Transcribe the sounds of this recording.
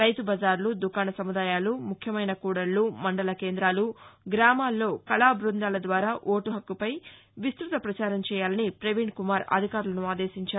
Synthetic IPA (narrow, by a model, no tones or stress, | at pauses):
ɾɐjt̪ubɐzaːɾlud̪ukaːnɐsɐmud̪aːjaːlumukʰjɐmɐjnɐkuːɽɐɾlumɐɳɖɐlɐke̞ːnd̪ɾaːluɡɾaːmaːlːo̞ːkɐlaːbɾund̪aːlɐd̪ʋaːɾaːʔoːʈuɦɐkːupɐj | ʋist̪ɾut̪ɐpɾɐt͡ʃaːɾɐmt͡ʃɛːjaːlɐnipɾeʋiɳɖkumaːɾɐ̰d̪ʱikaːɾulɐnuaːd̪e̞ːʃiɲt͡ʃaː